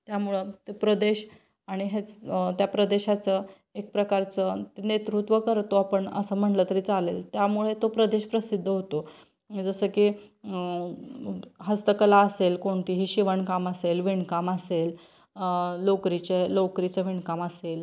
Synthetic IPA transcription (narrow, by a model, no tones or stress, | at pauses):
t̪jamuɭət̪epɾəd̪eɕ | aɽ̃iɦet͡st̪japɾəd̪eɕat͡sə | ek̚pɾəkaɾt͡sət̪enet̪ɾut̪ʋəkəɾt̪oapəɳə̰səm̤əɳlət̪əɾiːt͡salelt̪jamuɭet̪opɾəd̪eɕpɾəsid̪ʱːəɦot̪o | d͡zəsəkiː | ɦəst̪əkəlaəselkoɳt̪iːɦiːɕiʋəɳkaməselʋiɳkaməsel | lokɾit͡ɕelokɾit͡səʋiɳkaməsel